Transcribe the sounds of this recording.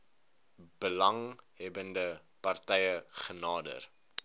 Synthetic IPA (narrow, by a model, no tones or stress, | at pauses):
b̥əlɐŋɦɛbəndə | pɐrtɛjəχənɑːdə̰r